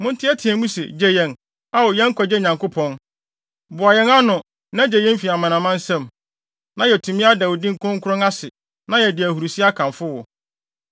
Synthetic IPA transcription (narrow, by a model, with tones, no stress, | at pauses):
mʊ̃˦n̩˦tʰɪ˦ɛ˦tʰɪ̃˨ɛ̃˨mũ˦sɛ̰˨d͡ʑɛ˦jɛ̃˦n | a˦wɔ˨jɛ̃˦ŋ̩˦kʰʷɔ˨d͡ʑɛ˦ɲã˨ŋkʊ˦pʰɔ̃˨n | bʊ˨a˨jɛ˦ŋa˦nʊ̃˨ | nã˦d͡ʑɛ˨jɛ̃˦m˦fi˨a˨mã˨nã˨mã˦n̩˦sɛ̃˦˨m | nã˦jɛ˨tʰũ˨mĩ˦a˦dɛ˨wɔ˨dĩ˦ŋ̩˨kʰʊ̃˦ŋ̩˦kʰʊ˦ɾʊ̃˦ŋa˦sɪ˨ | nã˦jɛ˨dɪ˨æ˨hu˨ɾu˨si˦a˦kʰã˨ɱfʊ˦wɔ˨